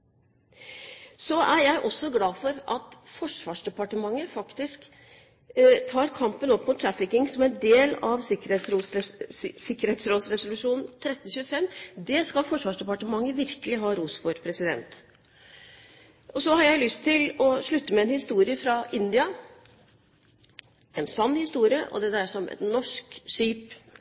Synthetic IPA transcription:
sɔʔæɾjæɪʔɔsːɔɡlɑːfɔɾʔɑt̪fɔʂʋɑːʂɖ̪ɛpɑʈəmɑŋːəfɑkt̪ɪsk | t̪ʰɑːɾkʰɑmpənɔpːmʊt̪ʰːɾæfɪkɪŋsɔmæɛnd̪eːlɑʋsɪkəɾesɾuː | sɪkːəɾheːt̪sɾoːt̪sɾɛsʊlʉʂuːnnt̪ʰɾɛt̪ːn̩çʉːəfɛmːd̪ɛskɑlfɔʂʋɑːʂɖ̪ɛpɑʈəmɑŋːəʋɪɾkəlɪɦɑːɾuːsfɔɾpʰɾɛsɪd̪ɛ̰nt̪ | ɔsɔɦɑɾjæɪlʏst̪ʰːɪlɔʂɭʉt̪ːəmɛɛnhɪst̪uːɾɪəfɾɑɪnd̪ɪɑ | ɛnsɑnːhɪst̪uːɾɪə̰ʔɔ̰d̪ɛd̪æɾʂɔmɛ̰nːɔʂkʂiːp

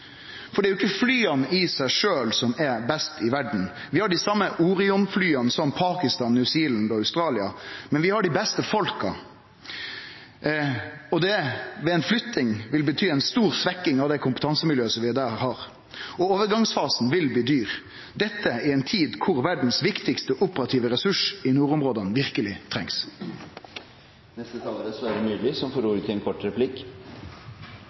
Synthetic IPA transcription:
fɔɾɖɛæɾjʊɪkːəflyːɑnɪsæɪʂøːlsɔmɛɾbɛst̪ɪʋæɖn̩ʋɪhɑɖɪsɑmːəʔuːɾɪʊnflyːɑnsɔmpʰɑːkɪst̪ɑːnːʉsiːlnd̪ɔɑʉst̪ɾɑːlɪɑ̰mɛnʋɪhɑɖɪbɛst̪əfɔlkɑ̰ | ɔd̪ɛʋɛɛɪnflʏt̪ːɪŋʋɪlbət̪ʰyːɛɪnst̪uːʁsʋɛkːɪŋɑʋd̪ɛɪkʰʊmpə̥t̪ʰɑnsəmɪljøːsɔmʋɪd̪æːhɑɾ | ɔoːʋəɾɡɑŋsfɑːsn̩ʋɪlbliːd̪yːʁ | d̪ɛt̪ʰːəæɾɛɪnt̪ʰiːd̪kʰʊʁʋæɖɳ̩sʋɪkt̪ɪkst̪əʔʊpəɾɑt̪ʰiːʋəɾɛsʉʂɪnuːɾʊmʁoːd̪ɑnʋɪɾkəlɪt̪ʰɾɛŋs | nɛst̪ət̪ʰɑːləɾəsɔæɖɛmyːlɪsɔmfɔɾuːɾət̪ʰɪɛnkʰɔʈːɾɛpʰlɪk

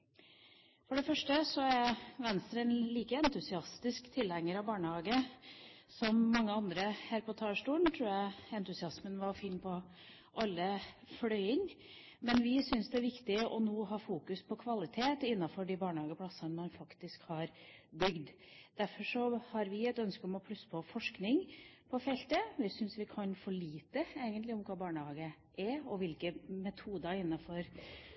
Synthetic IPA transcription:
fɔɖɛfœʂʈəsɔæɾʋɛnst̪əɾənliːkəɛnt̪ʉsɪɑst̪ɪskt̪ʰɪlhɛŋːəɾɑʋbɑːɳəhɑːɡə | sɔmːɑŋːəɑnd̪ɾəhæːɾpʰɔt̪ʰɑːʂʈuːɳt̪ʰɾʉːjæɛnt̪ʉsɪɑsmənʋɑɾfiːnpʰɔ | ʔɑlːəflœʏɪŋ | mɛnʋɪsʏnsd̪ɛæʋɪkt̪ɪʔɔnoːɦɑːfuːkʉspʰɔkʰʋɑlɪt̪ʰeːt̪ɪnːɑfɔɖɪbɑːɳəhɑːɡəpʰlɑsənmɑnfɑkt̪ɪskhɑɾbʏɡd̪ | d̪̥æɾfɔʂɔhɑɾʋɪɛt̪œnskəɔmɔpʰlʉsːə̥pʰɔfɔʂknɪŋpʰɔfɛlt̪əʋɪsʏnsʋɪkʰɑnfɔɭiːt̪əeːɡənt̪lɪʊmkʰɑːbɑːɳəhɑːɡə | ʔæɾɔʋɪlkəmɛt̪ʰuːd̪əɪnːɑfɔɾ

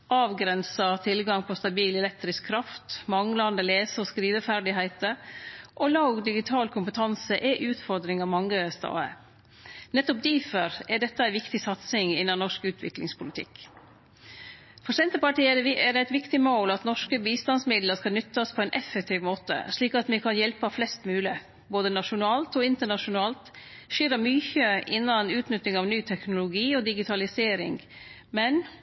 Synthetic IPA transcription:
ʔɑːʋɡɾɛnsɑt̪ʰɪlɡɑŋpʰɔst̪ɑbiːlɛlɛk̚t̪ɾɪskʰːɾɑft̪mɑŋlɑɑnd̪əleːsəɔskɾiːʋəfæɾɖɪɦæɪt̪əʔolɑʊɡd̪ɪɡɪt̪ʰɑːlkʰʊmpət̪ʰɑnsəʔɛʔʉːt̪fɔɾd̪ɾɪŋɑʋmɑŋːəst̪ɑ̰ːə̰ | nɛt̪ːɔp̚d̪iːfəɾɛɖɛt̪ːəæɪʋɪkt̪ɪsɑt̪sɪŋɪnːɑnɔʂkʉːt̪ʰʋɪ̰klɪ̰ŋspʰʊlɪt̪ʰɪ̰k | fɔsɛnt̪əpɑʈiːɛɖɛæɪt̪ʋɪkt̪ɪmoːlɑt̪nɔʂkəbiːst̪ɑnsmɪd̪ləʂkɑlnʏt̪ːɑspʰɔɛnʔɛfɛk̚t̪ʰiːʋmoːt̪ə̰ʂɭiːkɑt̪mɛkʰɑnjɛlpɑflɛst̪mʉːlɪ | boːd̪ənɑʂʊnɑːlt̪ɔɪnt̪əɳɑʂʊnɑːlt̪ʂiːɾəmyːçəʔɪnːɑnʉːt̪nʏt̪ːɪŋɑʋnyːt̪ʰɛknʊlʊɡiːɔd̪ɪɡɪt̪ʰɑlɪseːɾɪ̰ŋ | mɛn

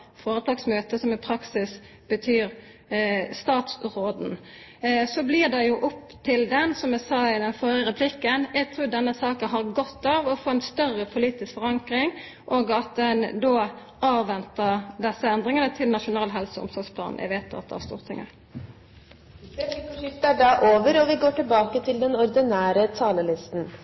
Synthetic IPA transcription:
foːɾət̪ʰɑːɡsmøːt̪əsɔmɪpʰɾɑksɪs | bət̪ʰyːɾ | st̪ɑːt̪sʁoːd̪n̩ | sɔblɪʁd̪ɛjʊʔʊpːt̪ʰɪld̪ɛnsɔmæsɑːɪd̪ɛnfɔɾəɾɛpʰlɪkːənæɪt̪ʰɾuːd̪ɛnːəsɑːkənɦɑʁɡɔt̪ːɑːʋɔfoːɛnst̪œrəpʰʊliːt̪ɪskfɔʁɑŋkʁɪŋ | ʔoːɡɑt̪̚d̪ɛnd̪oː | ɑːʋʋɛnt̪əɾd̪ɛsːəɛnd̪ʁɪŋənət̪ʰɪlnɑʂʊnɑːlɦɛlsəʊ̰msɔɾspʰlɑ̰ːnʔæ̰ʋɛːt̪ɑ̰t̪d̪ɛ̰hæst̪ṵːʁt̪ʰɪ̰ŋə̰ɾ | t̪æɖɑʔoːʋəɾɔʋɪɡoːʈɪlbɑːkət̪ʰɪld̪ɛnɔɾd̪ɪnæːɾət̪ʰɑːləlɪst̪n̩

